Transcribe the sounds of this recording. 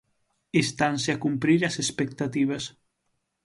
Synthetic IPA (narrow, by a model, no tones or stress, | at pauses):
est̪anseakumpɾiɾɐsespek̚t̪at̪iβ̞ɐs